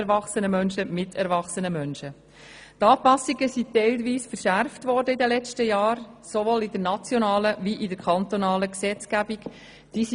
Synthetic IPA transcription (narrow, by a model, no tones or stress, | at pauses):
ɾvɑχsənəmœnʃəmɪtʰɛɾvɑχsənəmœnʃə | tɑːpɑsiɡəsitɛɪlʋiːsfəɾʃæɾftʋɔːɾdəidəlɛt͡stəjɑːɾsoʋoːlidənɑt͡sjonɑːləviʔɪdəɾkʰɑnt̪onɑːləksɛt͡sɡ̥æbik | d̥iːs